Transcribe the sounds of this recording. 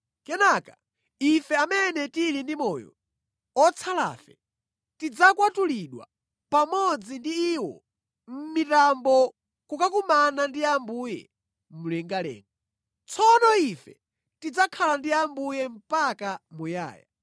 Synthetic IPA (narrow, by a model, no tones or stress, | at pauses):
kɛnaka | ifɛamɛnɛtilindimɔjɔ̰ | ɔt͡sʰala̰ːfɛ̰ | tid͡zakwatuliɗwa̰ | pamɔd͡zindiːwɔ̰ | m̩mitambɔ | kukakumanandiambujɛ̰ | mulɛŋɡalɛ̰ːŋɡa | t͡sʰɔnɔifɛ̰ | tid͡zakʰalandiambujɛm̩pakamuja̰ːja̰